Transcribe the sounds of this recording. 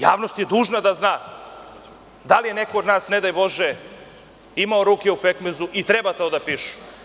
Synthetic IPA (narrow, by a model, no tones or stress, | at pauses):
jaːʋnost̪je̞d̪uːʒnad̪aznaː | d̪alijene̞kood̪naːsned̪ajbo̞ʒe | imaoɾuːkʲeupekmezuʔit̪ɾebat̪oːd̪apiʃu̥